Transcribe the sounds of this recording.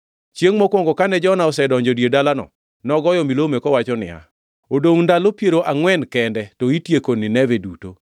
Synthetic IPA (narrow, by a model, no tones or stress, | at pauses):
t͡ʃjeŋmɔkwɔŋɡɔkanɛd͡ʒɔnaɔsɛdɔɲd͡ʒɔdjedalanɔ̰ | nɔɡɔjɔmilomekɔwat͡ʃɔnɪ̰a̰ | odoundalopjeɾoʔaŋwɛnkɛndɛtɔitjekonɪnɛveduto